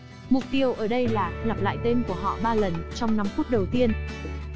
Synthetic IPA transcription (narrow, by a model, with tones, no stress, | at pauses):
mʊ˨˩k͡p̚t̪i˦˥əwʔəː˧˩ɗə˧jlaː˨˩la˨˩p̚la̰ː˧˨jt̪e˧nku˧˩əɦɔ̰˧˨ɓaː˧lə˨˩nt͡ɕɔ˧wŋ͡mna˧mfu˦˥t̚ɗə˨˩wt̪i˧ən